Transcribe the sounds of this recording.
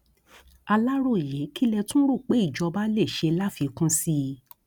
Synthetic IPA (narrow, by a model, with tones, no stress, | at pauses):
a˧la˦ɾo˦˨i˨je˨˦ki˦lɛ˧tũ˦ɾu˦˨k͡pe˨˦i˦˨d͡ʒɔ˧ba˦le˦˨ʃe˧la˦fi˧kũ˦si˦